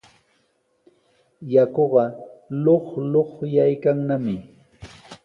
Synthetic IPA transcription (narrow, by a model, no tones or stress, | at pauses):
jakoɢɑloχloχjajkaŋnamɪ